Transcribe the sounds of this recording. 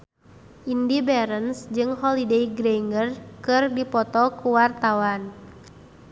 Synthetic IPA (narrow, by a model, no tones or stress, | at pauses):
ʔindibɛɾənsd͡ʒɨŋɦɔlidejɡɾɛŋɡərkɨrdipɔt̪ɔkuwart̪awan